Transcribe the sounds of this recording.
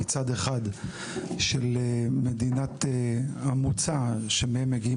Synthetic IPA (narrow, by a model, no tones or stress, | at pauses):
t͡sad̪eχad̪ | ʃelmed̪inat̪eamut͡saʃemehemːeɡii